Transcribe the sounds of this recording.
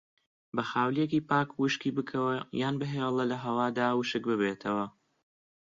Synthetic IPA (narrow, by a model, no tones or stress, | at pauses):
bɐxaːwlijekiːpaːkwuʃkiːbɨkʰɐwɐjaːnbɨɦelˠɐlɐɦɐwaːd̪aːwɨʃɨk̚bɨβet̪ʰɐwɐ